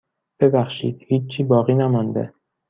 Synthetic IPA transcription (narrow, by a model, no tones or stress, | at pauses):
b̥ebæxʃḭːd̪̥̚hiːt͡ʃt͡ʃʰiːbɒːɣiːnæmɒnd̪ḛ